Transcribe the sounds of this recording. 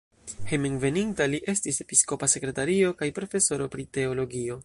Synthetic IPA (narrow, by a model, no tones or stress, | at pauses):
hemeŋve̞nintaliʔe̞stise̞pisko̞pase̞kɾe̞taɾio̞kajpɾo̞fe̞so̞ɾo̞pɾite̞o̞lo̞ɡio̞